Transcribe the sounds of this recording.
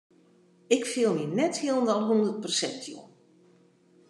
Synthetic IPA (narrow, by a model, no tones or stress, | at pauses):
ɪkfɪlˠminɛthilˠndɔlˠɦundərt̚pərsɛ̰ntʰjo̰